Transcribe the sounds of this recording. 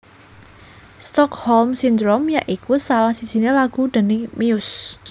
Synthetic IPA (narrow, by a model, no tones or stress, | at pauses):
st̪ɔkhɔlmsind̪ɾomjaʔikusalahsi̥z̥i̤nelaɡ̥ud̪̥ə̤nɪmiʊs